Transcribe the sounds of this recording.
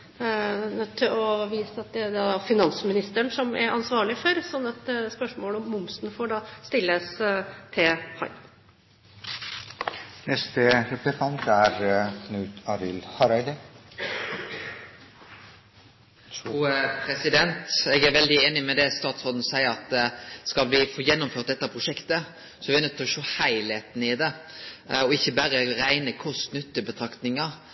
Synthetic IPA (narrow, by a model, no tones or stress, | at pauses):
nœt̪ʰːɪlɔʋiːsəɑt̪̚d̪ɛæɖɑfɪnɑnsmɪnɪst̪əɳʂɔmæ̰ɾʔɑnsʋɑːɭɪfɔɾsɔnːɑt̪spœʂmoːləɔmːʊmsnfoːɖɑːst̪ɪlːəst̪ʰehɑ̰ɪ | nɛst̪əɾɛp̪ət̪ɑnt̪æɾkʰnʉːt̪ʰɑɾɪlhɑɾæɪd̪ə | pʰɾɛsɪd̪ɛnt̪ɛɡæɾʋɛld̪ɪeːnɪmɛd̪ɛst̪ɑːt̪sʁoːd̪n̩sæɪəɾɑt̪skɑlʋɪfoːjɛnːʊmføːɾt̪̚d̪ɛt̪ːɑpʰʁʊʃɛkt̪ə | sɔʋɪɛnət̪ʰːlɔʃoːhæɪleːt̪n̩ɪd̪ɛ | ɔɪçːəbæɾəɾæɪnəkʰʊst̪nʏt̪ːəbət̪ʰɾɑkt̪nɪŋə